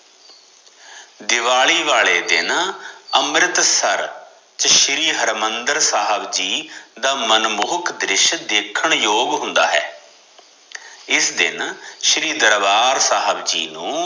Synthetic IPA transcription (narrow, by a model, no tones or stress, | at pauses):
d̪ɪʋaːɭiːʋaːɭeːd̪ɪ̰nəmɾɪt̪səɾ | t͡ʃʃɾiːɦəɾmənd̪əɾsaːɦəbd͡ʒiːd̪aːmənmʊːkʰd̪ɾɪʃd̪eːkʰːəɳjoːɡɦʊ̃nd̪a̰ːɦɛ̰ː | ɪsd̪ɪ̰nʃɾiːd̪əɾʋaːɾsaːɦəbd͡ʒḭːnũː